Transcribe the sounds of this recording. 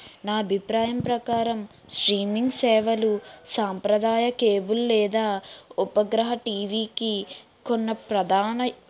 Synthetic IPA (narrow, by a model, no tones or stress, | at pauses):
naːɐbʱipɾaːjɐmpɾɐkaːɾɐm | sʈɾiːmiŋɡsɛːʋɐlusaːmpɾɐd̪aːjɐkeːbullɛːd̪aːupɐɡɾɐɦɐʈiːʋiːki | konːɐpɾɐd̪ʱaːnɐ